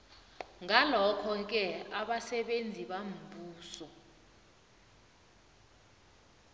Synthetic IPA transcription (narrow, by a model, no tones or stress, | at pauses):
ŋalɔkʰɔk̬ɛaɓasɛɓend͡zʱiɓam̩buːsɔ